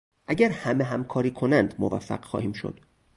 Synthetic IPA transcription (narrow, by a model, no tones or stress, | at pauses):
ʔæɟæɾhæmeɦæmkʰɒːɾiːkʰo̞nænd̪movæ̰fːæ̰ɢ̥xɒ̰ːhiːmʃo̞̰d̪̥